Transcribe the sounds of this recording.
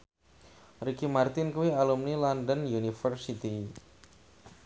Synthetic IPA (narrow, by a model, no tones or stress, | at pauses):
rikimart̪ɪnkuwialumnilɔndənjunifərsit̪i